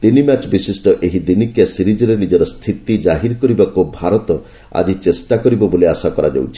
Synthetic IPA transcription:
t̪inimat͡ʃbisisʈɔʔeɦid̪inikasiɾid͡ʒɔɾenid͡ʒɔɾɔst̪ʰit̪id͡ʒaɦiɾkɔɾibakubʱaɾɔt̪ɔ | a̰d͡ʒit͡ʃesʈakɔɾibɔboliasakɔɾad͡ʒa̰wt͡ʃʰi̥

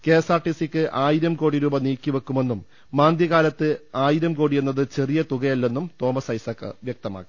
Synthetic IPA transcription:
ke̞ːsaːrʈːisikʲːɨʔaːjiɾɐmko̞ːɽiɾuːbɐniːkʲːiʋekːume̞nːumː | aːnd̪jɐɣaːlɐt̪ːɨaːjiɾɐmkoːɽije̞nːɐðɨt͡ɕe̞rijɐt̪uɣɐjɐlːe̞nːumt̪o̞ːmɐsɐjsɐkːɐ̰ʋjɐk̚t̪ɐma̰ːkːi

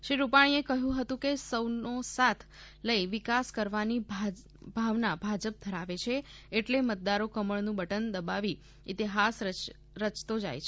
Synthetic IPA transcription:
ʃɾiɾupaɽ̃iekəɦjũɦət̪ũkesəwnosat̪ʰ | ləiʋɪkaskəɾʋanibʱ | bʱaʋnabʱad͡ʒəp̚d̪ʱəɾaʋet͡ʃʰe | eʈlemət̪̚d̪aɾokəməɭnũbəʈənd̪əbaʋi | ɪt̪iɦas | ɾət͡ʃt̪od͡ʒa̰jt͡ʃʰe

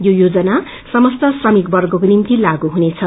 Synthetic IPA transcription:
jojod͡zʌna | sʌmʌst̪ʌsrʌmikbʌrɡʌkonimt̪ilaɡuɦunet͡sʰʌ

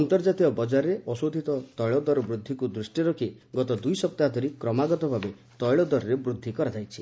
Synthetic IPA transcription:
ɔnt̪ɔɾd͡ʒat̪iɔbɔd͡ʒaɾɔɾeʔɔsod̪ʱit̪ɔt̪ɔjɭɔd̪ɔɾɔbɾud̪ʱːikud̪ɾusʈiɾɔkʰi | ɡɔt̪ɔd̪ujsɔp̚t̪ad̪ʱɔɾikɾɔmaɡɔt̪ɔbʱabe | t̪ɔjɭɔd̪ɔɾɔɾebɾud̪ʱːikɔɾad͡ʒajt͡ʃʰi

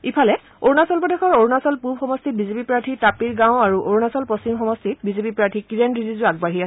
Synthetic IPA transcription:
ipʰalɛ | oɹnasɔlpɔdexʰɔɹoɹnasɔlpubxɔmɔstit̚bizepipɹaɹtʰitapiɹɡãwaɹuʔoɹnasɔlposimxɔmɔstʰit̚bizepipɹaɹtʰikiɹenɹizizʊaɡbaɦiasɛ

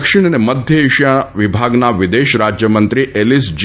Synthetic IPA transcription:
kʃiɳ̃əneməd̪ʱjəiʃjaʋɪbʱaɡnaʋid̪eʃɾad͡ʒjəmənt̪ɾiʔelisd͡ʒ

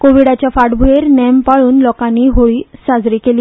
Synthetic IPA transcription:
koʋiɽat͡ɕjafaʈbʱueɾnɛmpaɭuːnlɔkãnːiːɦoɭiːsad͡zɾiːkeli

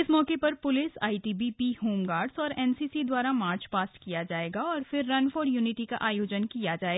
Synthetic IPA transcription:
ɪsmɔːkepɐɾpʊlɪsa̰ːiʈiːbipiɦoːmɡaːɾɖzɔːɾɛːnsiːsid̪waːɾamaːɾt͡ʃpaːsʈkijad͡ʒaːeːɡaɔːɾfɪɾːɐnfoːɖjuːnɪʈika̰ʔaːjoːd͡ʒənkijad͡ʒaːeːɡa

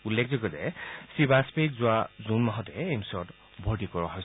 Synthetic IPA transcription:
ulːek̚ʰzɔɡɔzɛ̰sibaspekzʊazunmaɦɔtɛemsɔɔt | bʱɔɹtikɔɹaɦɔj

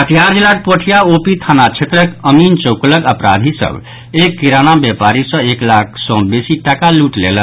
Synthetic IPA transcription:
ət̪ijaɾd͡ʒelaʈ̪̚pəʈʰijaopit̪ʰanat͡ʃʰet̪ɾəkəmint͡ʃəwkləɡəpɾa̰d̪ʱisə̰b | ekːiɾanabjepaɾisə̃eklakʰsɔ̃besiʈakaluʈlḛlən

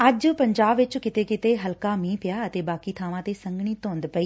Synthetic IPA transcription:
ɐd͡ʑpɐ̃ɲd͡ʒaːbʋɪt͡ʃkɪt̪ekɪt̪eɦɐlkamĩːpɪjaɐt̪eːbaːkit̪ʰaːʋãt̪esɐ̃ŋɡɽ̃it̪õːnd̪pɐiː

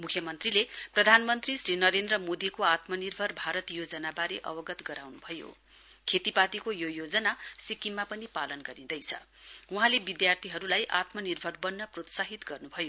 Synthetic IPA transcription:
mukʰjʌmʌnt̪rileprʌd̪ʱanmʌnt̪risrinʌɾend̪rʌmod̪ikoat̪mʌnirbʱʌrbʱaɾʌt̪jod͡zʌnabaɾeʔʌ̰bʌɡʌt̪ɡʌɾawnubʱʌjo̰ | kʰet̪ipat̪ikojojod͡zʌnasikimːapʌnipalʌnɡʌɾĩd̪ʌjt͡sʰʌ̰ | uɦãlebid̪jart̪ʰiɦʌɾulajʔa̰t̪mʌnirbʱʌrbʌnːʌprot̪saɦit̪ɡʌrnubʱʌjo

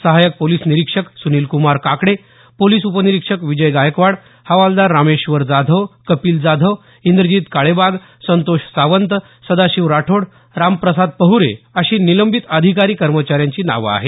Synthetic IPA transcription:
səɦajək̚poliːsniɾikʂəksuniːlkumaɾkakɽe | poliːsupəniɾikʂəkʋid͡ʑəjɡajəkʋaɽ | həʋald̪aɾːameɕʋəɾd͡zad̪ʱəʋkəpiːld͡zad̪ʱəʋ | ind̪ɾəd͡ʑiːt̪kaɭebaɡ | sənt̪oɕsaʋənt̪ | səd̪aɕiʋɾaʈʰoɽ | ɾampɾəsad̪̚pəɦuɾḛəɕiːniləmbʱit̪əd̪ʱikaɾiːkəɾmət͡ɕaɾjãɲt͡ɕiːna̰ʋa̰ɦe

